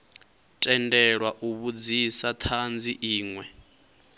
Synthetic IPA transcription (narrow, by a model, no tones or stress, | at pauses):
tʼɛndɛɺwaʔuβud͡zisat̪ʰand͡ziʔiːŋwɛ